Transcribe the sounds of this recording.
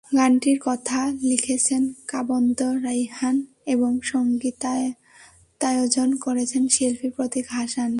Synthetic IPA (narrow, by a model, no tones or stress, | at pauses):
ɡaɳʈiɾkɔt̪ʰalikʰet͡ɕʰenkabond̪oɾajɦan | eboŋʃoŋɡit̪ | t̪ajod͡ʑonkoɾet͡ɕʰenʃilfʰipɾot̪iɡʱaʃan